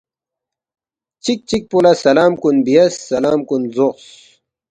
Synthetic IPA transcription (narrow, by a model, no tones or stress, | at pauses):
t͡ɕik̚t͡ɕik̚pulɐsɐlaːmkunbijɐsːɐlaːmkunzoqs